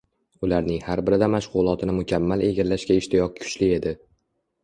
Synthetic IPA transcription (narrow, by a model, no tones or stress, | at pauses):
ʊlaɾnɪŋhaɾbɪɾɪd̪amaʃʁʊlˠɒt̪ʰɪnɪmʊkʲʰamːale̞ɡʲalːaʃkʲaɪʃt̪ʰɪjɒq̚kʰʊ̥t͡ʃlɪe̞d̪ɪ